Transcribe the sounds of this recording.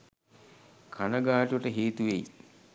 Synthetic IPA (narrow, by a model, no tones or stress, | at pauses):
kʰanəɡaːʈuʋəʈəɦeːt̪uʋej